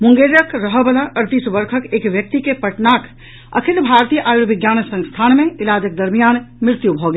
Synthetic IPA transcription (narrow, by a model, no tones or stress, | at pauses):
mʊ̃ŋɡeɾjəkɾəɦəbəlaʔəɾt̪isbəɾkʰəkeːkʋjək̚t̪ikepəʈnak | ə̰kʰɪlbʱaɾt̪ijəʔaːjuʋɪɡjaːnsə̃ŋst̪ʰaːnmẽɪlaːd͡ʒək̚d̪əɾmijaːnmɾɪɾt̪jubʱoɡe